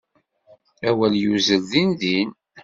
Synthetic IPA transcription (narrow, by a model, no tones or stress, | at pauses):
æwæljuzəlðinðin